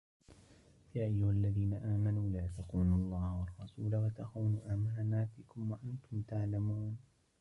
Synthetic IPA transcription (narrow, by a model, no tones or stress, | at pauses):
jaːʔajːʊhalːaðiːnaʔaːmanuːlaːt̪aquːnlˤːɑːhwɑrˤːɑsuːlawat̪aqawnuːʔaːmananaːb̪ɪkʊmwaʔant̪ʊmt̪aʕlamuːn